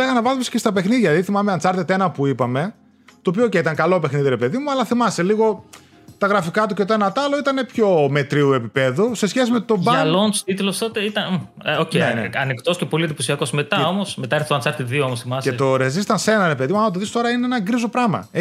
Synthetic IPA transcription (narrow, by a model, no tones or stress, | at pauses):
leɣɐnɐvɐzmesce̞st̪ɐpe̞xniðʝɐɐðiθimɐmeɐnt͡sɐɾt̪e̞t̪enɐpuipɐme̞ | t̪oːpiooceit̪ɐŋkɐlo̞pe̞xniðiɾe̞pe̞ðimuɐlɐθimɐseliɣo̞ | t̪ɐɣɾɐfikɐt̪̬uce̞t̪oenɐt̪ɐloit̪ɐne̞pço̞me̞t̪ɾiue̞pipe̞ðuse̞sçes̬ime̞t̪o̞bɐlonst̪it̪ulost̪ot̪eit̪ɐ | oceḛɐnikt̪o̞scepo̞lid̪iposiɐkosme̞t̪ɐomo̞smet̪ɐɾθoɐnt͡sɐɾt̪et̪ðioomosθimɐset̪o̞ɾezist̪ɐnsenɐɾe̞pe̞ðimuɐɐmɐt̪oðist̪o̞ɾɐineenɐɡɾizo̞pɾɐmɐ̰e